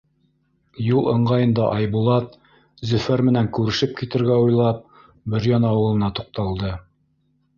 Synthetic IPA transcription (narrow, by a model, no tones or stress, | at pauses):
julˠɤ̆ɴʁɑjɤ̆nd̪ɑʔɑjbulˠɑt̪ | zɵ̆fæɾmɘ̆næŋkʉɾɘ̆ʃɘp̚kit̪ɘ̆ɾɡæujlˠɑp̚ | bɘ̆ɾjɑnɑɑwɤ̆lˠɤ̆nɑt̪uq̚t̪ɑlˠd̪ɤ